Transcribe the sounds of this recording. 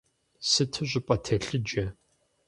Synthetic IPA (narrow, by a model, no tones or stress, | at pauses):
sɨtʰɨʑʷɪpʼɐtʰɐɬɨd͡ʒɐ